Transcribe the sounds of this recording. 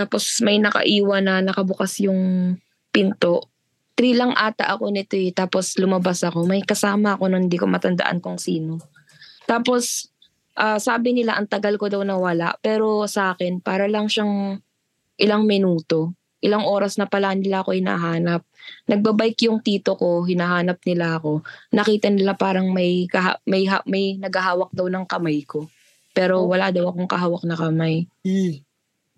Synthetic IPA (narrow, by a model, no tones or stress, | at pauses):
t̪aːpo̞smɐjnɐkɐ̰ʔiːwɐnɐnɐkɐbʊkasjʊŋ | pɪnt̪o̞ʔ | t̪ɾiːlɐŋʔaːt̪ɐ̰ʔɐko̞nɪt̪oɛt̪aːpo̞slʊmɐbasɐko̞mɐjkɐsaːmɐʔɐko̞nɐŋhɪnd̪iːkomɐt̪ɐnd̪ɐ̰ʔa̰nkʊŋsiːno̞ | t̪aːpo̞s | ʔaːsaːbɪnɪlaʔɐŋt̪ɐɡɐlkod̪ɐwnɐwɐla̰ʔpɛːɾo̞sɐʔaːkɛnpaːɾɐlɐŋʃaŋ | ʔɪlaŋmɪnuːt̪o̞ | ʔɪlaŋʔo̞ːɾɐsnɐpɐlaʔnɪlaʔɐko̞hɪna̰ɦaːnɐp̚nɐɡ̚bɐbajkjʊŋt̪iːt̪o̞ko̞ɦɪnaɦaːnɐp̚nɪlaʔɐko̞nɐkiːt̪ɐnɪlapaːɾɐŋmɐjkɐɦa̰mɐjɦa̰mɐjnɐɡhɐɦaːwɐk̚d̪ɐwnɐŋkɐmajko̞ | pɛːɾo̞wɐlaʔd̪ɐwɐko̞ŋkɐɦaːwɐk̚nɐkɐmaj